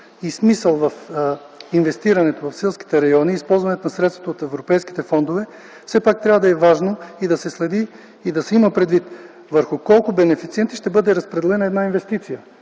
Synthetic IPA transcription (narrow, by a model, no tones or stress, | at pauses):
ismisəlˠvɐf | invɛst̪iɾɐnɛt̪ovɐfsɛlˠsk̟i̥t̪ɛɾɐjɔniːspɔlˠzvɐnɛt̪onɐsɾɛt̪t̪vot̪oːt̪ɛvɾopɛjski̥t̪ɛfɔnd̪ovɛ | fsɛpak̚t̪ɾʲavəd̪ɐɛvaʒnoid̪ɐsɛslɛd̪iː | d̪ɐsɛiməpɾɛd̪vit̪ | vəɾxʊkɔlˠkʊbɛnɛfit̪siɛnt̪iʃt̪ɛbɤd̪ɛɾɐspɾɛd̪ɛlɛnɐɛd̪nainvɛst̪it̪sijə